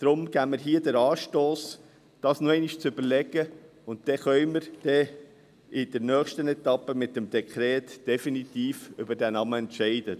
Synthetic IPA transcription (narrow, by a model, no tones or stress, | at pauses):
d̥ɾʊmɡ̥æməɾɦiədəɾɑːʃtoːs | d̥ɑːsnoɛɪniʃt͡sʏb̥əɾlɛɡ̥ə | ʊntd̥ɛχœʏməɾd̥ɛ | ɪd̥əɾnœːχʃtənɛt̪ɑpːəmɪtːəmd̥ɛkʰɾɛːtd̥ɛfinitiːfʏbəɾd̥ænɑməɛntʃɛɪd̥ə